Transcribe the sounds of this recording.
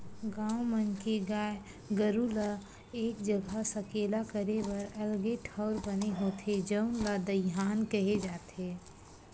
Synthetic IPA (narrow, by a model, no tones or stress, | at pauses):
ɡãːwmənkeɡaːj | ɡəɾula | eːk̚d͡ʒəɡʱasəkeːlakəɾebɐɾɐlɡeʈʰaʊɾbəneɦoːt̪ʰed͡ʒəʊnlad̪əjɦaːnkəɦed͡ʒaːt̪eː